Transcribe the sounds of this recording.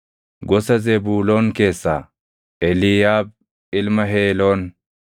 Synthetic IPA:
ɡɔsɐzɛbuːlo̞ːnke̞ːsːa̰ː | ʔɛlɪjaːb̚ | ɪlmɐɦe̞ːloːn

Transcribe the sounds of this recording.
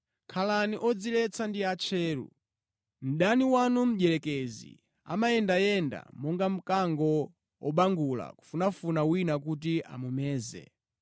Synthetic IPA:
kʰalaniʔɔd͡zilɛt͡sʰandiat͡ʃʰɛːɾṵ | m̩ɗaniwanum̩ʄɛlɛkɛzḭ | a̰majɛndajɛnda̰mɔŋɡam̩kaŋɡɔ | wɔɓaŋɡula̰ku̥funafunawinak̬ut̬iʔa̰mumɛːzɛ̰

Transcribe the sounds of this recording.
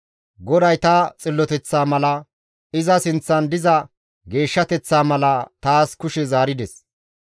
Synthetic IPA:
ɡɔd̪ɐjt̪ɐt͡sʼɪlːɔt̪ɛt͡sːaːmɐlɐ | ɪzɐsɪnt͡sːɐnd̪ɪzɐ | ɡe̞ːʃːɐt̪ɛt͡sːaːmɐlɐt̪aːskʊʃɛzaːɾɪd̪ɛs

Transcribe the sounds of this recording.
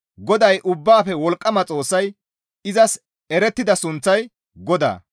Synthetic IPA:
ɡɔd̪ɐjʔʊbːaːfɛwɔlkʼːɐmɐt͡sʼo̞ːsːɐj | ɪzɐs | ɛɾɛt̪ːɪd̪ɐsʊnt͡sːɐj | ɡɔd̪a̰ː

